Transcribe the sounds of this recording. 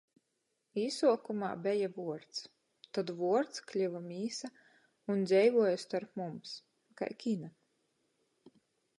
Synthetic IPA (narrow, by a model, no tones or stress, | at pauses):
iːsuɔkuma̰ːbʲɛjavuɔɾt̪s | t̪ad̪vuɔɾt̪sklʲivamʲiːsa | und̪zʲɛjvuɔjast̪aɾpmums | ka̰jkʲina